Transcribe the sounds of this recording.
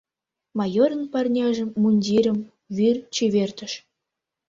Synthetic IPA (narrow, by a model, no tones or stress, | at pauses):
mɑjoɾə̆npɑrnʲɑʒə̆mːunʲdʲiɾʲə̆m | βyrt͡ɕeβert̪ə̆ʃ